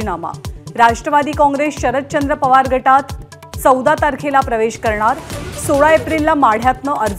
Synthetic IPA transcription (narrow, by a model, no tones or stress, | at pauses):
nama̰ɾaʂʈɾəʋad̪iːkɔ̃ŋɡɾesɕəɾət̪̚t͡ɕənd̪ɾəpəʋaɾɡʱəʈat̪ | t͡səwd̪at̪aɾkʰelapɾəʋeɕkəɾɳaɾsoɭaepɾilːamaɽ̤jat̪nəʔəɾd͡z